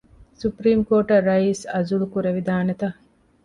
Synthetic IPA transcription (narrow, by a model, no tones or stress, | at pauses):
supɾiːmkoːʈɐrːɐiːsɐzulukuɾeʋid̪aːnet̪ɐ